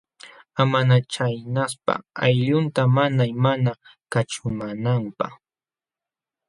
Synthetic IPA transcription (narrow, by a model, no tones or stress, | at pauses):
amanat͡ʃajnaspa̰ajʎʊnt̪amanajmanakat͡ʃʊmanampaχ